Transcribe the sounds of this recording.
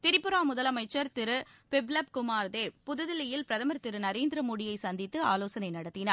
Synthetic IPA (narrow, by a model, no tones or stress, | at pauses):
t̪ɪɾɪpːɯɾaːmʊðɐlɐmɐɪt͡ʃːɐɾt̪ɪɾɯpɪblɐp̚kʊmaːɾðeːpʊðɯðɪlɪjɪlpɪɾɐðɐmɐɾt̪ɪɾɯnɐɾeːnd̪ɪɾɐmoːɽɪjɐɪsɐnd̪ɪt̪ːɯaːloːsɐnɐɪnɐɽɐt̪ːɪnɐ